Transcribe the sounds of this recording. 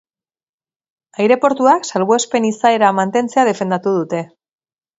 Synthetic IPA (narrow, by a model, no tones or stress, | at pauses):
ajɾe̞po̞ɾt̪uaksalβoespe̞nisae̞ɾamant̪e̞nt͡se̞að̞e̞fe̞nd̪at̪uðut̪e̞